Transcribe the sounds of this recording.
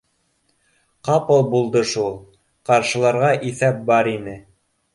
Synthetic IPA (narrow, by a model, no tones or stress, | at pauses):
qɑpɤlˠbulˠd̪ɤʃulˠ | qɑɾʃɤ̆lˠɑɾʁɑʔiθæp̚bɑɾinɘ